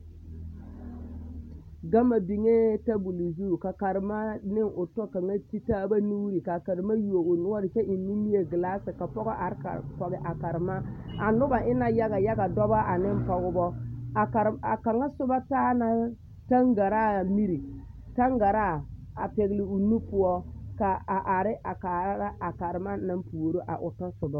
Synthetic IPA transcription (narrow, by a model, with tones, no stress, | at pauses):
ɡa˦ma˨bi˨ŋe˦ta˦bu˨li˨zu˦˨ka˨ka˨ɾma˦nɪ˦ŋʊ˨tɔ˦ka˨ŋa˦ti˦ta˦ba˦nu˦ɾi˨ka˨ka˨ɾma˦ju˨wo˨u˨nʊ˦a˦dɪ˨t͡ʃɛ˦ʔi˨nːi˦mi˦je˨ɡɪ˨la˦sɪ˨ka˨pɔ˦ɡɔ˦ʔa˨ɾka̰˨ɾpɔ˨ɡɪ˨ʔa˨ka˨ɾɪ˨ma˦a˨nʊ˦ba˨ʔɪ˦na˨ja˦ɡa˨ja˦ɡa˨dɔ˦ba˦ʔa˨nɪ˦m˦pɔ˨ɡʊ˦bɔ˦a˨ka˨ɾa˨ka˨ŋa˦sʊ˦ba˦taː˦na˦ | ta˦ŋɡa˨ɾa˦˨mi˦ɾi˨ | ta˦ŋɡa˨ɾa˦˨ | a̰˨pe˨ɡlɪ˨u˨nu˦pʊ˨ɔ˦ka˨a˨ʔa˨ɾɪ˦ʔa˨ka˨ɾa˦ɾa˦ʔa˨ka˨ɾɪ˨ma˦na˦m˦pu˨o˨ɾo˦ʔa̰˨ʔʊ˨tɔ˦sʊ˨bɔ˦